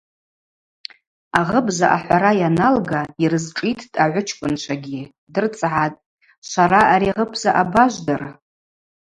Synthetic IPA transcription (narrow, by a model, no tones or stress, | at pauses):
aʁəbzaʔa̰ħħʷaɾajanalɡairɨzʈ͡ʂʼitʰtʼaʕʷʊt͡ʃʰkʷʼʊnt͡ʃʷʰaɡʲi | dɨrt͡sʼʕatʼ | ʃʷaɾaʔaɾiʁəpʰzaʔabaʒʷdar